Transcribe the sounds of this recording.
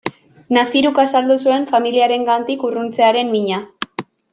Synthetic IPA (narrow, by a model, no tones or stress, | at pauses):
nasiɾukasald̪usue̞ɱfamiliaɾe̞ŋɡant̪ikurunt͡se̞aɾe̞mmiɲa